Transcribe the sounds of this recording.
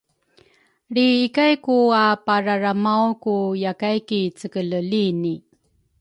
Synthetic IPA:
ɾiːkajkuapaɾaɾamawkujakajkit͡səkələlini

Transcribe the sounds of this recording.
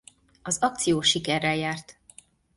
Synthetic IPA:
ɒzɒk̚t̪sijoːʃikɛrːɛljaːrt̪

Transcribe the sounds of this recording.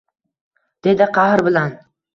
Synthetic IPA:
d̪̥e̞d̪ɪqʰɑhɾbɪlan

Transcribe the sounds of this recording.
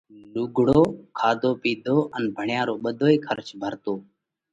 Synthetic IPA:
luːɡʱɽoːkʰaːd̪ʱoːpiːd̪ʱoːʔənbʱəɳjãːɾoːɓəd̪ʱoːiːkʰəɾt͡ʃbʱəɾt̪oː

